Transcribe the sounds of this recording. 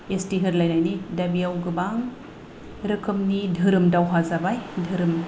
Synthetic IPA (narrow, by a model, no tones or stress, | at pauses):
estiɦɯɾlajnajnidabijawɡɯbaŋ | ɾɯkʰɯmnidʱɯɾɯmdawɦazabajdʱɯɾɯm